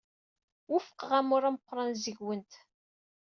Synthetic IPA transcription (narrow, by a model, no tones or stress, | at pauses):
wʊfə̥qʁæmʊɾaməqːɾˤɑnzəʝwənt̪